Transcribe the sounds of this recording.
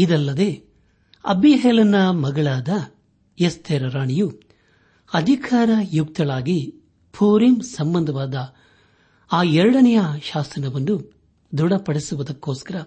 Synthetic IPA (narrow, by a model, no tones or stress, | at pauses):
id̪ɐlːɐd̪eː | ɐ̰biɦɛːlɐnːɐmɐɡɐɭaːd̪ɐ | jest̪ʰeːɾɐɾaːɳiju | ɐd̪ʱikʰaːɾɐjuk̚t̪ɐɭaːɡi | pʰuːɾimsɐmbɐnd̪ʱɐʋaːd̪ɐ | aːɛɾɐɽɐnɐjɐʃaːsɐnɐʋɐnd̪u | d̪uɽɐpɐɽisuʋud̪ɐkːoːskɐɾɐ